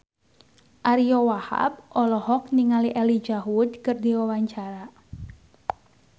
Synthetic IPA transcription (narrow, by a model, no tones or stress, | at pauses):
ʔaɾiɔwaha̰b̚ʔɔlɔhɔk̚niŋaliʔɛlid͡ʒaɦudkɨrdiwawaɲt͡ʃaɾa